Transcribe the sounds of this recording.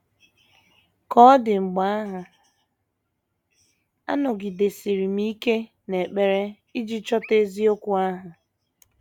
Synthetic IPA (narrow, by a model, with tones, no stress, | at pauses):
kɔ˦dɪ˨ŋ͡m̩˨ɡ͡ba˦a˦ɦa˨ | a̰˦nɔ˨ɡɪ˨de˨si˨ɾi˨m̩˦i˦ke˦ | ne˨k͡pe˦ɾe˦ | i˦d͡ʒi˦t͡ʃɔ˦te˦zi˦o˦kʷu˨a˦ɦa˨